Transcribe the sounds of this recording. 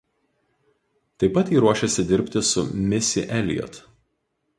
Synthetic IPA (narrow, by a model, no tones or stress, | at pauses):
t̪ɐɪpːɐt̪iːɾuɔʃʲɛsʲɪd̪ʲɪɾʲpʲt̪ʲɪsʊmʲɪsʲɪ̰ʔɛlʲjɔ̰t̪